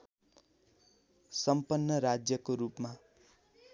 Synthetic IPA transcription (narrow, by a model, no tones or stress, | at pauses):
sʌmpʌnːʌɾad͡zjʌkoɾupma